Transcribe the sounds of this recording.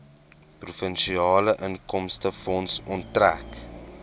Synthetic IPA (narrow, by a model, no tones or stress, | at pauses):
prufənʃiɑːləʔəŋkɔmstəfɔnsɔntːræk